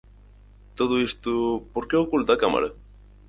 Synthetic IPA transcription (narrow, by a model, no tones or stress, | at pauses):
t̪oðuist̪upoɾkeokult̪akama̰ɾe